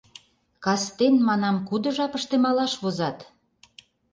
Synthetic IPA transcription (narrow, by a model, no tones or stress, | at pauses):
kɑst̪enmɑnɑmkud̪ə̆ʒɑpəʃt̪emɑlɑʃβozɑt̪